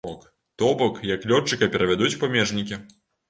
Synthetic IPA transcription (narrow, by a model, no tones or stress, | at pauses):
ɔk | t̪ɔbɔkjɐklʲɔt͡ʂːɨkɐpʲɛɾɐvʲad̪ut͡sʲpamʲɛʐnʲikʲi